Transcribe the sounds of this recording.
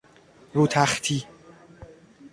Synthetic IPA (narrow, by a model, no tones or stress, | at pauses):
ɾuːt̪ʰæxt̪ʰiː